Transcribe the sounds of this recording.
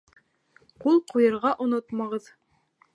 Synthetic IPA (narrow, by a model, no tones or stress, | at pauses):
qulˠqujɤ̆ɾʁɑʔŏnot̪mɑʁɤð